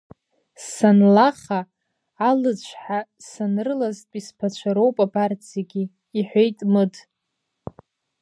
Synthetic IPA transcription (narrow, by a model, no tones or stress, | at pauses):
ssanlaχaː | lɨt͡ɕʷʰħa | sanɨrɨlaztʼispʰat͡ʃʷʰaɾowpʼabart͡sʰjaɡʲiː | ħʷejtʼmɨd